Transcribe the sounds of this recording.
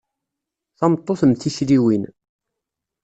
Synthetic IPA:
θɑmt̪ˤːoθəmθiʃɾiwin

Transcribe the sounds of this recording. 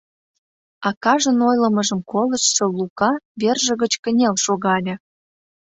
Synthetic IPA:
ɑkɑʒənojləməʒə̆mkoləʃʃŏlukɑβerʒə̆ɣət͡ɕkə̆nʲelʃoɣɑlʲĕ

